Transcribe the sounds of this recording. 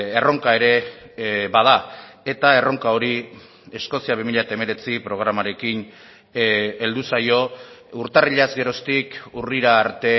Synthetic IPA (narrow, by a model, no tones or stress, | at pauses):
e̞ro̞ŋkae̞ɾe̞ | bað̞ae̞t̪ae̞ro̞ŋkao̞ɾi | e̞sko̞siaβ̞imiʎaet̪aeme̞ɾe̞t͡sipɾo̞ɣ̞ɾamaɾe̞kin | e̞ld̪usajo̞uɾt̪ariʎazɡe̞ɾo̞st̪ikuriɾaːɾt̪e̞